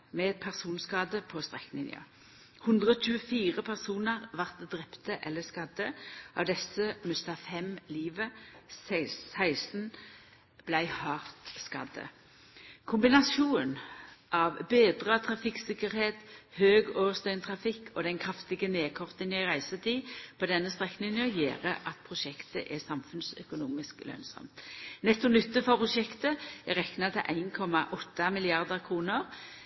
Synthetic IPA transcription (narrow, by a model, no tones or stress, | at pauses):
mɛpʰæʁsuːnskɑːd̪əpʰɔst̪ʁɛkːnɪ̰njə̰ | hʉnd̪ʁəoːt͡ʃʉːəfiːʁəpʰæʁsuːnəʁʋɑʁt̪d̪ʁɛpt̪əʔɛlːəskɑd̪əʔɑ̰ʋd̪ɛsəmʉst̪ɑfɛmliːʋəsɪsæɪsn̩ | b̥læɪhɑːʁt̪skɑ̰d̪ə̰ | kʰʊmbɪnɑsuːnʔɑʋbeːd̪ʁət̪ʰɾɑfɪksɪkːəɾheːt̪høːɡoːʋəst̪œʏnt̪ʰʁɑfɪkʰːɔd̪ɛnkʰɾɑft̪ɪɡəneːkʰɔʁt̪ənjæɪʁæɪsət̪ʰiːpʰɔd̪ɛnːəst̪ʁɛknɪŋənəjeːʁəʔɑt̪pʰɾʊʃɛkt̪əʔɛsɑmfʉnsœ̰kʊnuːmɪsklœ̰ːnsɔ̰mt̪nɛt̪ːɔnʏt̪ːəfɔpʰʊʂɛkt̪əɛɾɛknɑt̪ʰɪʔæɪnkʰɔmɑʔɔt̪ːɑmɪlɪɑʁd̪əʁkʰʁuːnəɾ